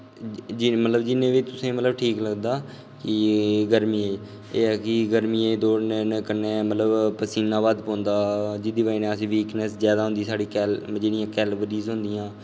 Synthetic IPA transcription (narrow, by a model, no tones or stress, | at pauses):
d͡ʒɪmət̪ləbd͡ʒɪnːẽːʋiːt̪ʊsẽːmət̪ləbʈʰiːkləɡd̪aː | kɪɡəɾmiːe | eːɛːkɪɡəɾmiːeːd̪oːɽnenːkənːeːmət̪ləbpəsiːnãːʋaːd̪pɔ̃ːnd̪aːd͡ʒɪd̪iʋaːineːəsĩːʋiːknəszjaːd̪aːɦʊ̃nd̪iːsaːɽiːkɛːld͡ʒeːɽɪjãːkɛːlʋəɾiːzɦʊ̃nd̪ɪːãː